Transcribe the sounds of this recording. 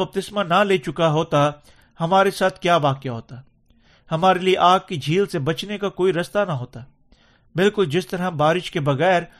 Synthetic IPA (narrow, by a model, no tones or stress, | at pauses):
ɐp̚t̪ɪsmãnaleːt͡ʃʊkaɦoːt̪a | hɐmaːɾesaːt̪ʰkjaːʋaːkejaɦoːt̪a | hɐmaːɾelieʔaːɡ̚kid͡ʒʱiːlsebɐt͡ʃnekakoːiɾɐst̪anaɦoːt̪aː | bɪlkʊld͡ʒɪst̪ɐɾabaːɾɪʃkebɐɣɛːɾ